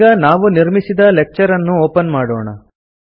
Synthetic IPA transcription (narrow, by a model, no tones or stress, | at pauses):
ɡɐnaːʋuniɾmisid̪ɐlek̚t͡ʃɐɾɐnːuoːpɐnmaːɽɔ̰ːɳɐ̰